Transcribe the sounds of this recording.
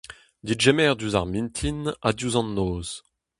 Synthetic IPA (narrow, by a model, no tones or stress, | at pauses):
d̪itʒɛmɛʁd̪yzaʁmint̪ʰinad̪uzɑ̃nːoːz